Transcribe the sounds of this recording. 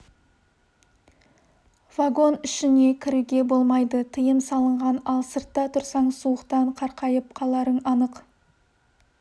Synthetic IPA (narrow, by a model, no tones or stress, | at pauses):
v̥aɡo̞nʏʃɪne̞kʲʰɪɾɪɡʲe̞bo̞lˠmɑjd̪ət̪ʰəjəmsɑlˠəɴʁɑnɑlˠsəɾt̪ːɑt̪ʰʊɾsɑɴsuəqt̪ɑɴqʰɑɾqʰɑjəp̚qʰɑlˠɑɾənɑnəq